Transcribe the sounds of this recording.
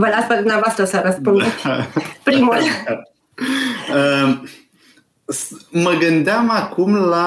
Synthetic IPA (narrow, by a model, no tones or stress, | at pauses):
vəlaspəd̪umneavoast̪ɾəsɾəɾəspund̪epɾimul | ə | sməɡɨnd̪eamakumla